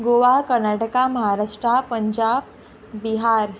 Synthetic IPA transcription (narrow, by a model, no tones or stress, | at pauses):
ɡoʋakəɾnaʈəkaməɦaɾaʂʈɾapəɲd͡ʑab | biɦaɾ